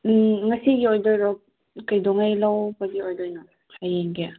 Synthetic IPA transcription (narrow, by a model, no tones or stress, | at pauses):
ŋɐsiɡiojdojɾɔk̚ | kɐjdɔŋajlawbɐɡiojdojnɐ | kʰajeŋɡe